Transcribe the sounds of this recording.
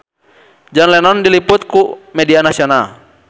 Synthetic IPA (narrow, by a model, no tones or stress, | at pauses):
d͡ʒanlɛnɔndiliput̪̚kumɛdianasiɔnal